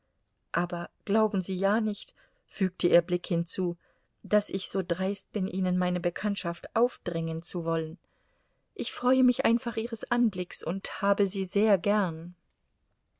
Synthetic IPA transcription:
ʔaːbɐɡ̥laʊbm̩ziːjaːnɪçt | fyːk̚tʰəʔiːɐblɪkhɪnt͡suː | d̥asɪçz̥oːdʁaɪst̚b̥ɪnʔiːnənmaɪnəbəkʰantʃaftʔaʊfd̥ʁɪŋənt͡suvɔlən | ʔɪçfʁ̥ɔʏəmɪçʔaɪnfaχʔiːʁəsʔanblɪksʊnthaːbəziːzeːɐɡɛɐn

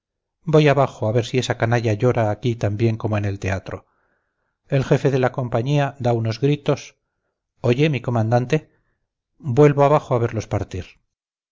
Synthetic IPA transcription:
bo̞jaβaxoaβe̞ɾsie̞sakanaʎaʝo̞ɾaːkit̪ambje̞ŋko̞moene̞lt̪e̞at̪ɾo̞̰ | e̞lxe̞fe̞ðe̞lako̞mpaɲiad̪auno̞zɣɾit̪o̞s | o̞ʝe̞miko̞mãnd̪ant̪e̞ | bwe̞lβoaβaxoaβe̞ɾlo̞spaɾt̪iɾ

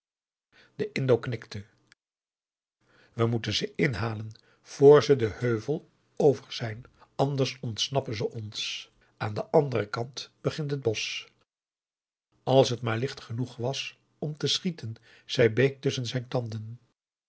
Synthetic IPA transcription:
d̥əʔɪndowknɪktə | ʋəmutənzəɪnɦaːlən | v̥oːɹzədəhøɥvəlˠ | owvəɹz̥ɛjnɑndəɹsɔntsnɑpənzəʔɔns | ʔaːndəʔɑndərəkɑntb̥əχɪntɦəd̚bɔs | ɑlˠsɦətmaːɹlɪχtχənuχʋɑs | ɔmtəsχitən | z̥ɛjbejk̚tɵsənzɛjntɑndən

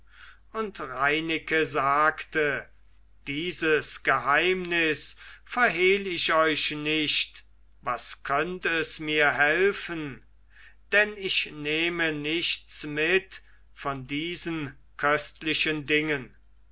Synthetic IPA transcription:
ʊntʁaɪnɪkəzaːktə | d̥iːzəsɡ̥əhaɪmnɪsfɛɐɦeːlɪʃɔʏʃnɪʃt | vaskʰœntəɛsmiːɐɦɛlfən | d̥ɛnɪʃneːmənɪʃtsmɪt | fɔndiːzən | kʰœstlɪʃəndɪŋən

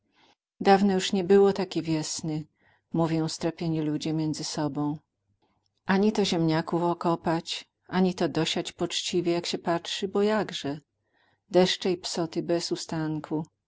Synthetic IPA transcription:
d̪avnɛjuʂɲɛbɘwɔt̪akʲɛvʲjɛsnɘ | muvʲjɔ̃w̃st̪ɾapʲjeɲilud͡ʑɛmʲjɛnd̪zɘsɔbɔ̃w̃ | ʔaɲit̪ɔʑɛmɲakufɔkɔpat͡ɕ | ʔaɲit̪ɔd̪ɔɕat͡ɕpɔt͡ʂt͡ɕivʲjɛjakɕɛpatʂɘbɔjaɡʐɛ | d̪ɛʂt͡ʂɛjpsɔt̪ɘbɛzust̪aŋkʰu

